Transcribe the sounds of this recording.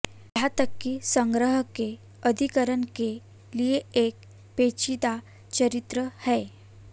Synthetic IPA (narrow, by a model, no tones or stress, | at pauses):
jat̪əkːisə̃ŋɡɾəɦəke | əd̪ʱikəɾənke | lieek̚ | pet͡ɕit̪a | t͡ɕəɾit̪ɾəhɛ